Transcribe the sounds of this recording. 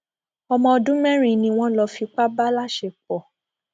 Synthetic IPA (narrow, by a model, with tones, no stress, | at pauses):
ɔ˧mɔ̃˧ɔ˧dũ˦mɛ̃˦ɾ̃ĩ˨nĩ˧w̃ɔ̃˦lɔ˧fi˧k͡pa˦ba˦la˦ʃɛ˧k͡pɔ˨